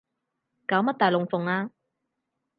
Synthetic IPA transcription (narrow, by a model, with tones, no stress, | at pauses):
kaː˨˧˥wmɐ˥t̪̚aː˨jlʊ˨ŋfʊ˨˩ŋaː˧